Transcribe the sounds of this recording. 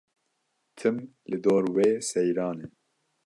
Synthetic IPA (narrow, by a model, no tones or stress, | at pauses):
t̪ʰɨmlɨd̪oːɾweːsɛjɾɑːne